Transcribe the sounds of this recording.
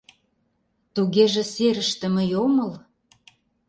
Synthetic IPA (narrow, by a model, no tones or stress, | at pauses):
t̪uɣeʒĕseɾə̆ʃt̪ə̆mə̆jomə̆l